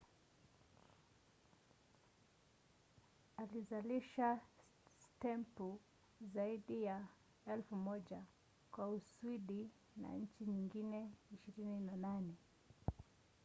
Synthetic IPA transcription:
alizaliʃa | stɛmpu | zaiɗija | ɛlfumɔʄa | kwauswiɗi | na̰ɲ̩t͡ʃiɲiŋɡinɛiʃiɾininananɛ

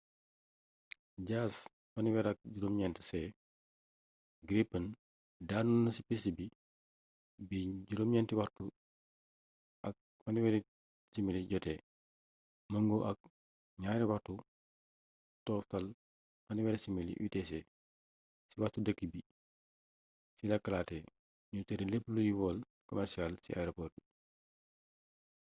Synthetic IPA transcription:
ɟaːs | fɐniwɛɾɐk̚ɟuɾumɲɛnti̥sɛ | ɡɾipːɐn | daːnunɐsipisibi | biɟuɾomɲɛntiwɐrtu | ʔɐ̰k̚ | fɐniwɛɾi | similiɟɔtɛ | mɐŋɡoʔɐk̚ | ɲaɾiwaɾtu | tɔːftɐl | fɐniwɛɾisimilḭʔwḭtɛsɛ | siwatudɐkːibi | silɐkːɐlaːtɛ | ɲutɛɾilepːlujiwɔːl | kɔmɛɾsialsḭa̰jɾopɔrt

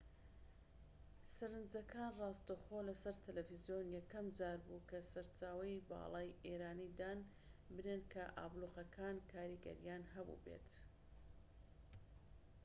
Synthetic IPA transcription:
sɐɾɨnd͡zɐkʰaːnrɑːst̪oxolɐsɐɾt̪ʰɐlɛfizijoːnjɛkɐmd͡zaːɾbukɐsɐɾt͡ʃaːwɐjbɑ̰ːlˠɑːjeːɾaːnid̪aːn | bɨnenkʰɐʔa̰ːblˠuxɐkʰaːnkʰaːɾiɡɐ̰ɾjaːnɦɐbṵbḛt̪

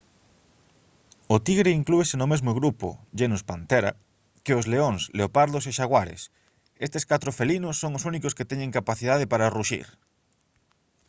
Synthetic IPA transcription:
ʊt̪iɣɾeiŋkluesenʊmezmoɣɾupʊ̰ʎenuspant̪ɛɾa̰ | keʊzleoŋsleopaɾðoseʃaɣwaɾḛs | est̪eskat̪ɾofelinʊsːoŋosunikʊsket̪ɛɲẽŋkapaθið̞aðepaɾaruʃḭɾ

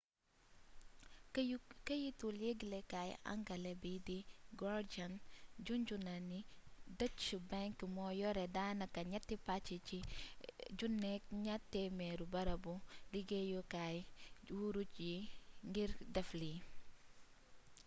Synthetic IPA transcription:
kəjituljeɡlɛkaj̰a̰ŋɡɐlɛbidiɡɔɾd͡ʒand͡ʒund͡ʒunanidət͡ʃubaŋkmɔːjɔɾɛdanɐkɐɲatːipat͡ʃːii | d͡ʒunːɛk̚ɲatːɛmɛɾubɐɾɐbuliɡejɔkajwuɾut͡ʃjiŋɡiɾdɛfli

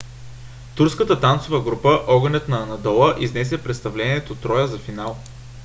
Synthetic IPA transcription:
t̪uɾskət̪ət̪ant̪sovəɡɾupəʔɔɡənɛt̪nɐːnɐd̪ɔlˠəʔiznɛsɛpɾɛt̪st̪ɐvlɛniɛt̪ot̪ɾɔjəzɐfinalˠ

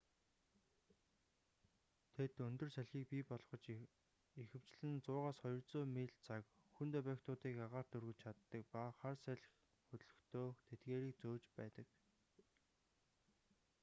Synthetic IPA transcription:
t̪ʰet̪ɵnt̪ɵ̆rsæɮxiːk̚pipɔɮχɞ̆t͡ɕ | ixɘ̆w̥t͡ɕɮɘ̆nt͡sʊːʁaːsχɔjɞ̆rt͡soːmiɮt͡sʰak | xunt̪ʰɔpækt̪ʊːt̪iːkaʁaːrt̪ɵrɣɘ̆t͡ɕt͡ɕʰat̪ːə̆k̚paχarsæɮx | xɵt̪ɮɵ̆xt̪ʰoːt̪ʰet̪ɡeːɾiːk̚t͡soːt͡ɕpæ̰ːt̪ə̆k

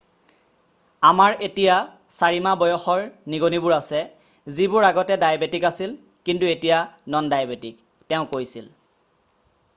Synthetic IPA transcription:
amaɹetija | saɹimabɔjɔxɔɹniɡonibʊɹasɛ | zibʊɹaɡɔtɛdajabetikasil | kintuetijanɔndajabetik | tɛʊ̃kojsil

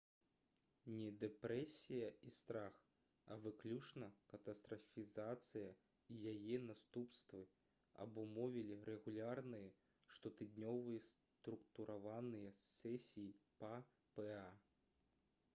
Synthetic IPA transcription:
nʲɛd̪ɛpɾɛsʲijɐist̪ɾax | ɐ̰vɨklʲut͡ʂnɐkɐt̪ɐst̪ɾɐfʲizat̪sɨjɐ | ijajɛnast̪upst̪vɨ | ɐ̰bumɔvʲilʲiɾɛɣulʲarnɨjɐ | ʂt̪ɔt̪ɨd̪nʲɔvɨjɐs | t̪ɾukt̪uɾʔavanɨjɐsɛsʲijipa | pɛa

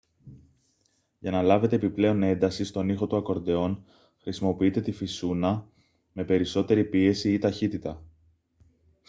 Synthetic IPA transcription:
ʝɐnɐlɐve̞t̪eːpiple̞o̞ne̞nd̪ɐsist̪o̞nixo̞t̪uɐko̞ɾd̪e̞o̞n | xɾisimo̞piit̪e̞t̪ifisunɐ | me̞pe̞ɾiso̞t̪e̞ɾipie̞siit̪ɐçit̪it̪ɐ

